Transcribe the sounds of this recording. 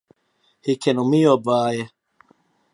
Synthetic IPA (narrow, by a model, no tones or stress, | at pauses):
hikʰenumijobaːje